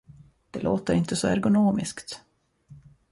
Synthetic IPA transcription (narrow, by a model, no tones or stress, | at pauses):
d̪̥ɛloːt̪əɾɪnt̪əsɔæ̰ɾɡʊnoːmɪ̰skt̪